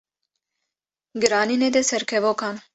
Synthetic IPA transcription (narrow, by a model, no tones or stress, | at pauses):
ɡɨɾɑːnined̪ɛsɛɾkʰɛvokɑːn